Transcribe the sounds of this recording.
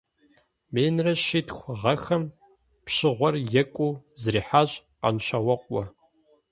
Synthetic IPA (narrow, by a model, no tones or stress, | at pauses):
meːnrɐʃiːtxʷʁɐxɐm | pɕɪʁʷɔrjɛkʷʼuːzriːħaːɕʼ | qɐ̰nɕawɐqʷʼɔ